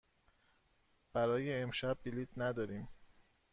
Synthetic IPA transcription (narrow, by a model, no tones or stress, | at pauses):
b̥æɾɒːjeːmʃæbːiliːt̪næd̪ɒːɾiːm